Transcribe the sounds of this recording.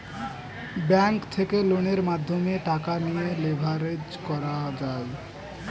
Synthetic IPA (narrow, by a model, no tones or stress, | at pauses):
bɛŋkt̪ʰekeloñeɾmad̪ʱːomeʈakanijelebʱaɾed͡ʑkɔɾad͡ʑae